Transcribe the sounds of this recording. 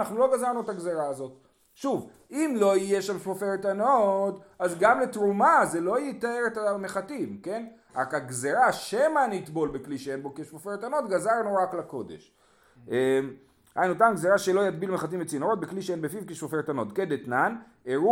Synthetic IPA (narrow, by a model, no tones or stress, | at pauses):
naχnulo̞ɡazaʁnuet̪aɡzeʁaːzo̞t̪ | ʃuv | imlo̞ijeʃamʃfofeʁt̪anod̪azɡamlet̪ʁumazelo̞jit̪aeʁet̪ame̞χat̪imke̞n | akaɡzeʁaʃemaniːt̪bo̞lbekliʃeenbo̞kiʃfofeʁt̪ano̞d̪ɡazaʁnuʁaklako̞d̪e̞̰ʃ | ʔem | ha̰jnut̪anɡzeʁaʃelo̞jat̪̚bilmeχat̪̬imbet͡sinoʁo̞t̪̚bekliʃeenbefivkiʃfofet̪ano̞d̪ked̪et̪nan | eʁu